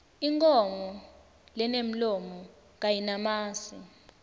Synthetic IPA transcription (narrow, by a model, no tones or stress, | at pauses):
iŋkʼɔmɔ | lɛnem̩lɔmɔ | ŋ̬ajinamaːsi